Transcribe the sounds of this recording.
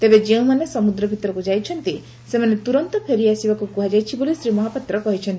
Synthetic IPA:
t̪ebed͡ʒeũmanesɔmud̪ɾɔbʱit̪ɔɾɔkud͡ʒajt͡ʃʰɔnt̪i | semanet̪uɾɔnt̪ɔpʰeɾiasibakukuɦad͡ʒajt͡ʃʰibolisɾimɔɦapat̪ɾɔkɔɦit͡ʃʰɔnt̪i

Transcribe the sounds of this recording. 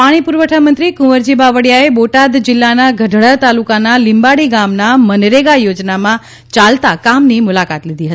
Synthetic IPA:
paɽ̃ipuɾʋəʈʰamənt̪ɾikũʋəɾd͡ʒibaʋəɽjaeboʈad̪d͡ʒɪlːanaɡʱəɖʱɭat̪alukanalimbaɽiɡamnamənɾeɡajod͡ʒnamã | t͡ʃalt̪akamnimʊlakat̪lid̪ʱiɦət̪i̥

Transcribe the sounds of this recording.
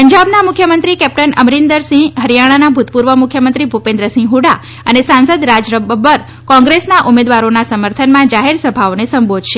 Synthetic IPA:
pəɲd͡ʒabnamʊkʰjəmənt̪ɾikɛp̚ʈ̪ənəmɾind̪əɾsĩɦəɾijaɽ̃anabʱut̪puɾʋəmukʰjəmənt̪ɾibʱupẽnd̪ɾəsĩɦuɽa | ənesãnsəd̪ɾad͡ʒɾəbəbəɾ | kɔ̃ŋɡɾesnaʔumed̪ʋaɾonasəməɾt̪ʰənmãd͡ʒaɦeɾsəbʱaonesə̃mbʱod̪ʱʃe

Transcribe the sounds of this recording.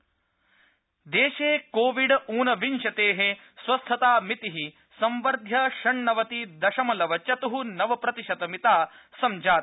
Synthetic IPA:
d̪eːʃeːkoːʋiɖuːnɐʋinʃɐt̪eːɦe | sʋɐst̪ʰɐt̪aːmit̪iɦi | sɐ̃mʋɐɾd̪ʱjɐʃɐɳːɐʋɐt̪id̪ɐʃɐmɐlɐʋɐt͡ʃɐt̪uɦunɐʋɐpɾɐt̪iʃɐt̪ɐmit̪aː | sɐmd͡ʒaːt̪

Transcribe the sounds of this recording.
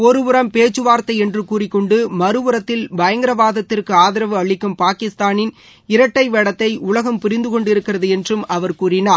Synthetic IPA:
ɔɾɯʋɯɾɐmpeːt͡ʃːɯʋaːɾt̪ːɐɪɛndrɯkuːrɪkːɔɳɖɯmɐɾɯʋɯɾɐt̪ːɪlbɐjɐŋɡɪɾɐʋaːðɐt̪ːɪrkɯaːðɪɾɐʋɯɐɭɪkːɯmpaːkɪst̪aːnɪn | ɪɾɐʈːɐɪʋɛːɽɐt̪ːɐɪʊlɐɣɐmpʊɾɪnd̪ɯkɔɳɖɪɾɯkːɪrɐðɯɛndrɯmɐʋɐɾkuːrɪnaːɾ

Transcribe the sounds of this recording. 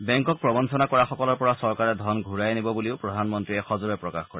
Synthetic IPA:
bɛŋkɔk̚pɹɔbɔnsɔnakɔɹaxɔkɔlɔɹpɔɹasɔɹkaɹɛd̪ʱɔnɡʱuɹajnibɔbuliʊpɹɔdʱanmɔntɹiɛxɔzuɹɛpɹɔkaxkɔɹɛ

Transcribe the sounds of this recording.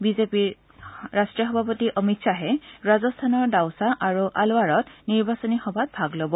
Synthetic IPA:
bizepiɹ | ɹastɹijɔxɔbʱapɔtiʔɔmitsaɦɛɹazɔstʰanɔɹdawsaʔaɹuʔaloaɹɔtniɹbasɔnixɔbʱat̚bʱaɡlobɔ

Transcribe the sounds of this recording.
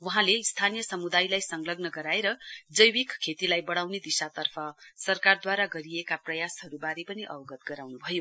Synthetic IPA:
wʌɦãleist̪ʰanijʌsʌmud̪ajlajsʌŋɡlʌɡnʌɡʌɾaeɾʌd͡zʌjwikkʰːet̪ilajbʌɽawned̪isat̪ʌrpʰʌsʌrkard̪waɾaɡʌɾiekaprʌjasɦʌɾubaɾepʌniʔʌwʌɡʌt̪̚ɡʌɾawnubʱʌjo

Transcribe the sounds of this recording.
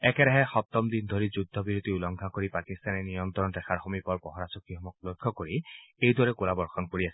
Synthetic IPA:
ɛkɛɾaɦɛxɔp̚t̪ɔmd̪indʱoɹizudʱːɔbiɹut̪iulɔŋɡʱakoɹipakist̪anɛnijɔnt̪ɔɔndɛxʰaɹxomipɔɹpɔɦɔɹasɔkːiɔmɔklojkʰːɔkoɹiejdwaɹɛkulabɔɹxɔnkoɹiasɛ

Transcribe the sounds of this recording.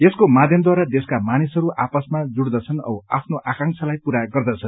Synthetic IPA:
eskomad̪ʱjʌmd̪waɾad̪eskamanisɦʌɾuʔapʌsmad͡zuɽd̪ʌt͡sʰʌnʌapʰnoʔakãŋt͡sʰʌlajpuɾaɡʌrd̪ʌt͡sʰʌn

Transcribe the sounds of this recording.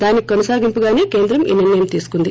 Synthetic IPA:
d̪aːnikonɐsaːɡimpuɡaːneːkeːnd̪ɾɐmḭːniɾnɐjɐmt̪iːsu̥kund̪i

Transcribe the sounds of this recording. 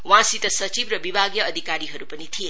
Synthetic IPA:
wãsit̪ʌsʌt͡ʃibrʌbibʱaɡjʌːd̪ʱikaɾiɦʌɾupʌnit̪ʰije

